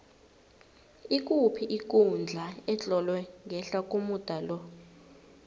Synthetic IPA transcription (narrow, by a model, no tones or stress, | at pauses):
ik̬ʼupʰiʔik̬ʼund͡ɮʱaɛt͡ɬʼɔlwɛŋɡʱɛɬak̬ʼumud̥ʱalɔ